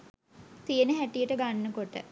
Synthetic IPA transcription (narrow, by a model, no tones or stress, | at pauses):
t̪ijənəɦæʈijəʈəɡanːəkoʈə̰